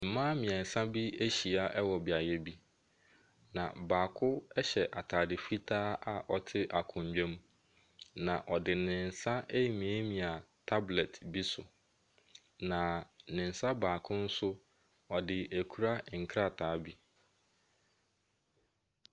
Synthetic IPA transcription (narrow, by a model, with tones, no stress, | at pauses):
m̩˨mã˦mɪ̃˨ɛ̃˨n̩˨sã˦bi˦e˦ɕi˨a˨ʔɛ˦wɔ˨bɪ˨a˨jɛ˦bi˦ | nã̰˨baː˨kʰʊ˦ɛ˦ɕɛ˨ʔa˨tʰaː˨dɪ˨fi˦tʰaː˦ʔa˨ʔɔ˨tʰɪ˦ʔa˨kʰʊ̃˨ɲ̩˨d͡ʑᶣɛ̃˦m˦ | nã˨ʔɔ˨dɪ˨nɪ̃˨n̩˨sa˦e˦jmĩ˨e˦mĩ˨a˨tʰa˦blɛ˨tbi˦sʊ˨ | nã˨nɪ̃˨n̩˨sa˦baː˨kʰʊ̃˦n̩˦sʊ˦ | ɔ˨dɪ˨æ˨kʰu˦ɾa˦ŋ̩˨kʰɾa˦˨tʰaː˨˦bi˦